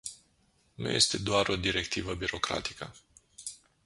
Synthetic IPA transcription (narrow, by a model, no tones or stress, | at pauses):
nṵje̞̰st̪e̞d̪oaɾo̞d̪iɾe̞k̚t̪ivəbiɾo̞kɾa̰t̪i̥kə